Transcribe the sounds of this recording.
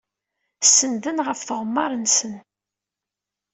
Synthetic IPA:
sːənðənʁəfθʁəmːɑɾˤənsən

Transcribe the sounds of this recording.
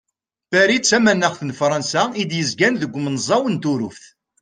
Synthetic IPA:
fæɾit͡sːæmænːæχθənfɾˤɑnsæid̪jəzɡænðəɡʷːmənzˤɑwənt̪ʊɾʊfθ

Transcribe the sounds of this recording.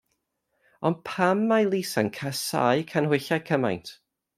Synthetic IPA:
ɔndpʰamːajlˠisankʰasa̰jkʰanhwɪɬakʰəma̰jntʰ

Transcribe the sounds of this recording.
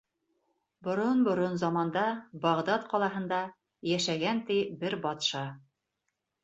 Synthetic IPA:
bŏɾonbŏɾonzɑmɑnd̪ɑbɑʁd̪ɑt̪qɒlˠɑɦɤ̆nd̪ɑ | jæʃæɡænt̪ibɘɾbɑt̪ʃɑ

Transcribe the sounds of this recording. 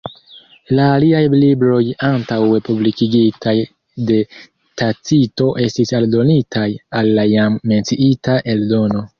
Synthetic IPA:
laːliajlibɾo̞jantawe̞publikiɡitʰaj | de̞ | tat͡sito̞ʔe̞stisaldo̞nitʰajalːajamːe̞nt͡siʔitaʔe̞ldo̞no̞

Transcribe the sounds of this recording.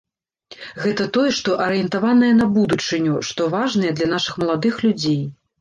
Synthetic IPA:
ɣɛt̪ɐt̪ɔjɛʂt̪ɔʔɐɾɨjɛnt̪avanɐjɐnɐbud̪ut͡ʂɨnʲuʂt̪ɔvaʐnɐjɛd̪lʲɐn̪aʂɨxmɐlˠad̪ɨxlʲud͡zʲej

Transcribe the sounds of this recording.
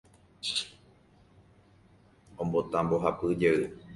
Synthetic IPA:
õmbot̪ambo̞ɦapɨd͡ʒeɨ

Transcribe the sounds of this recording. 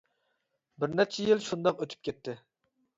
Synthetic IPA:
bɪɾnɛt͡ʃʰɛjilʃund̪ɑqøt̪ʰy̥p̚kʲʰet̪ʰːɪ

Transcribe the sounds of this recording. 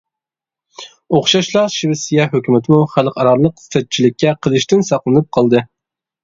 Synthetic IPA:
oχʃɑʃlˠɑɾʃiwɪsijɑhøkʲymɪt̪ʰɪmuχælˠqʰɑɾɑlˠəqt̪ɛt̪̚t͡ʃʰilɪkʲːɛqʰəlˠɨʃt̪ɪnsɑqlˠɨnɨp̚qʰɑlˠd̪ɨ

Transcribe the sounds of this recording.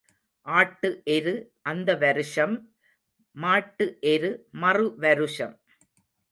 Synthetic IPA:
ʔaːʈːɯʔɛɾɯʔɐnd̪ɐʋɐɾɯʂɐmː | aːʈːɯʔɛɾɯmɐrɯʋɐɾɯʂɐm

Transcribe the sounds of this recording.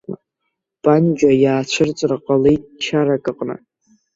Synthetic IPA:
pʼand͡ʒajaːt͡ɕʷʰɨrt͡sʷʼraqʼalejʼt͡ʃʰaɾakʼɨqʼnɨ̰

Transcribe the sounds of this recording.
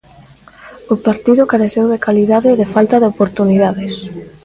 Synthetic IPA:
ʊpaɾt̪iðʊkaɾeθewðekaliðaðeːðefalt̪aðeopoɾt̪uniðaðɪs

